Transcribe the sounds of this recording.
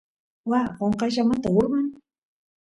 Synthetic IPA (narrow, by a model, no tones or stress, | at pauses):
waɢoɴqɑjʒamat̪aʊɾmɑn